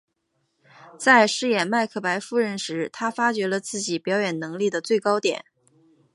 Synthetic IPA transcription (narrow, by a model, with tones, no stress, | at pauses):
t͡sa˥˧ɪʂɻ̩˥jɛ˨˩nma˥˧ɪkʰɤ˥˩pa˧˥ɪfu˥˧ɻə˥˧nʂɻ̩˧˥t̪ʰa˥fa˥t͡ɕɥɛ˧˥lə˧t͡sɹ̩˥˩t͡ɕi˨˩pjɑ˧˥ʊjɛ˨˩nnɤ˧˥ŋli˥˩d̪ə˩t͡swe˥˩ɪkɑ˥ʊt̪jɛ̰˨˩˦n